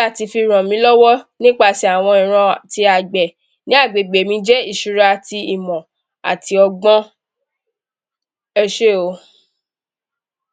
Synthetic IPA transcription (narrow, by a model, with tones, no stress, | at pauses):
a˦˨ti˨˧fi˧ɾ̃ã˨mĩ˨˦lɔ˦wɔ˦nĩ˦k͡pa˦˨si˧a˨w̃ɔ̃˧ĩ˨ɾ̃ã˧ti˧a˨ɡ͡bɛ˨ | nĩ˨˦a˦˨ɡ͡be˨ɡ͡be˨mĩ˨˦d͡ʒɛ˦i˦˨ʃu˨˧ɾa˧ti˧i˨mɔ̃˨ | a̰˨tʰi˧ɔ˧ɡ͡bɔ̃˦ | ɛ˧ʃe˦˨o˧˦